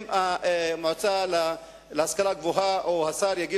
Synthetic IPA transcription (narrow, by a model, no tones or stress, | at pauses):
mamot͡sala | lehaskalaɡvoɦaʔohasaʁjaɡi